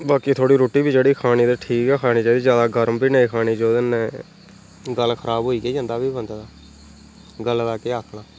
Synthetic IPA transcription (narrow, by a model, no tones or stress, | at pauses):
baːkiːt̪ʰoːɽiːɾoːʈiːbiːd͡ʒeːɽiːkʰaːñiːd̪əʈʰiːkɛːkʰaːñiːd͡ʒeːd̪iːd͡ʒjaːd̪aːɡəɾmbiːnəiːkʰaːniːd͡ʒoːd̪ɪnːɛ̃ː | ɡəlkʰəɾaːbɦoːiːɡeːd͡ʒãːnd̪aːbiːbənd̪d̪aː | ɡəllaːkeːaːkʰɽaː